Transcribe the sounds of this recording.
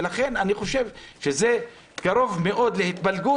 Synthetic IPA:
laχe̞naniχo̞ʃe̞vʃeze | ɡ̥aɾo̞vme̞ʔo̞d̪lehit̪balɡu

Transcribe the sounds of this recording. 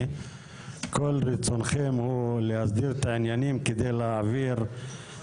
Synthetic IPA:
kʰo̞lʁit͡so̞nχemhulehasd̪iʁet̪aʕinjanimked̪ejleaviʁ

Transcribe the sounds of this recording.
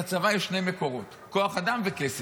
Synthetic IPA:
at͡savajeʃnejme̞ko̞ʁo̞t̪ | ko̞aχad̪amvekese

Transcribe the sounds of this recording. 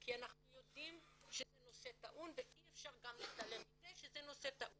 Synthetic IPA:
kianaχnujo̞d̪imʃezeno̞set̪aʔunveʔiefʃaʁɡamlist̪alemizeʃezeno̞set̪aʔu

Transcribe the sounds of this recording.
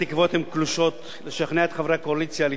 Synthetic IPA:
ikvo̞t̪hemkluʃo̞t̪ | leʃaχneat̪χavɾekoalit͡sjali

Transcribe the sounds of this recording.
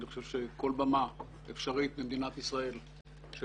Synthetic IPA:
niχoʃevʃeko̞lbama | efʃaʁit̪̚bimd̪inat̪isʁae̞l | ʃ

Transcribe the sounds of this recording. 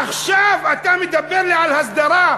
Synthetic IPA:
ʔaxʃaːfʔat̪aːmid̪abːɪɾliʕalhasˤd̪ɑɾˤɑː

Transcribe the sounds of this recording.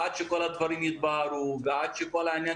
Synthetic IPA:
t͡ʃʰikɔlɐt̪ʰʋɐɾimit̪̚baːɾuɡaːt͡ʃʰikɔlanʲɐ

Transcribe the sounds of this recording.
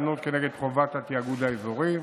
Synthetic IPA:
not̪̚keneɡed̪χovat̪hat̪iaɡud̪aezoʁi

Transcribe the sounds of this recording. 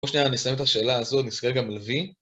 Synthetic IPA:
oʃnianisajemet̪haʃe̞ːlaːzot̪niskeɡamalvi

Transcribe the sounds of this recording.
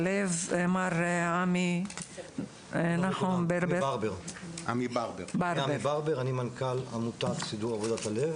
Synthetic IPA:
levemaɾami | naħubeɾbeaʁbeʁamibaʁbebaɾmebaʁbeʁanimankalamut̪atsid̪uʁavod̪at̪alev

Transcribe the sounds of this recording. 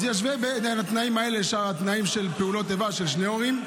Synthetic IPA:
zjaʃ̬vebenanat̪naimae̞leʃaʁat̪naimʃe̞lpeulo̞t̪evaʃe̞lʃneo̞ʁim

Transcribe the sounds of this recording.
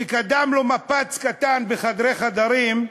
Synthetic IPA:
ikad̪amlomapat͡skat̪anbeχad̪ʁeχad̪aʁim

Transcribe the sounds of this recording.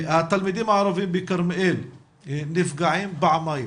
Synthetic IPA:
at̪ːalmid̪iːnaʕɾˤɑviːmbikɪɾmʔeːl | nɪfɡaʕiːmbaʕmaj

